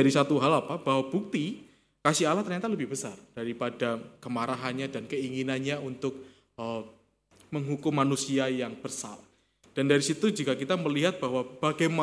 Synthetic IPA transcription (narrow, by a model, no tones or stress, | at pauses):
aɾisat̪uɦalapabaɦwabuk̚t̪i | kasialaht̪ərɲat̪aləbɪhbəsard̥aɾipadakəmaɾaɦanɲadankəiŋinanɲaunt̪ʊk̚ | ə | məŋɦukʊmːanusiajaŋb̥ərsa̰l | d̥andaɾisit̪ud͡ʒukakit̪aməliɦat̪̚b̥ahwab̥aɡajma